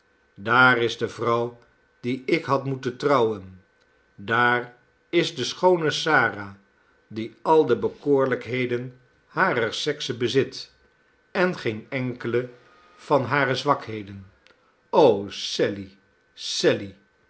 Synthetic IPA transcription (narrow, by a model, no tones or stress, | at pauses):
daːrɪzdəvrʌw | diɪkɦɑtmutəntrɑwən | daːr | ɪzdəsχownəsaːra | diɑlˠdəbəkoːɹləkɦejdən | haːrəɹsɛksəbəzɪt | ɛnχejnɛŋkələ | v̥ɑnɦaːrəzʋɑkɦejdən | owsɛli | sɛli